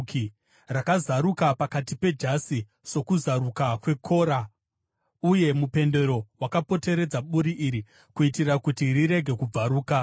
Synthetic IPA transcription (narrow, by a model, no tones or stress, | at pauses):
ki | rakazaɾukapakatipe̞d͡ʒasi | so̞kuzaɾukakwe̞kʰo̞ːɾa | uje̞mupe̞nde̞ɾo̞wakapo̞te̞ɾe̞d͡zaɓuɾiʔiɾi | kuitirakutiriɾe̞ɡʱe̞kub͡vaɾuːka